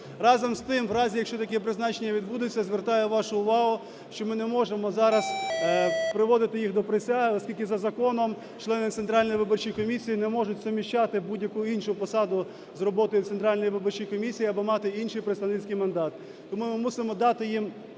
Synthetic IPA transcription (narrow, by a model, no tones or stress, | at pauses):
rɑzɐmst̪ɪmʋɾɑzʲijɐkʃt͡ʃɔt̪ɐkɛpɾɪznɑt͡ʃenʲːɐʋʲid̪̚bud̪ʊt͡sʲːɐzʋert̪ɑjʊʋɑʃʊʊʋɑɦʊ | ʃt͡ʃɔmɪnɛmɔʒemɔzɑɾɐs | pɾɪʋɔd̪ɪt̪ɪjixd̪ɔpɾesʲaɦɪɔsʲkʲilʲkɪzɐzɐkɔnɔm | t͡ʃlˠɛnɪt̪sent̪ɾɑlʲnɔjʋɪbɔrt͡ʃijkɔmʲisʲijinɛmɔʒʊtʲzɐmʲiʃt͡ʃɑt̪ɪbudʲjɐkuinʃʊpɔsɑd̪ʊ | zrɔbɔt̪ɔjʊt̪sent̪ɾɑlʲnɔjiʋɪbɔrt͡ʃijkɔmʲisʲijiɐbɔmɑt̪ɪinʃɪjpɾeɪt̪sɐʋnɪt͡sʲkɪjmɐnd̪ɑt̪ | t̪ɔmumɪmusɪmɔd̪ɑt̪ɪjim